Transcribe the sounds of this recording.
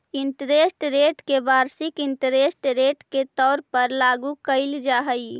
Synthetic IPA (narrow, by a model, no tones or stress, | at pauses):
ɪɳʈəɾesʈɾeːʈkeʋaːɾsɪkɪɳʈəɾesʈɾeːʈket̪ɔːɾpəɾlaɡukəɪld͡ʒaɦəj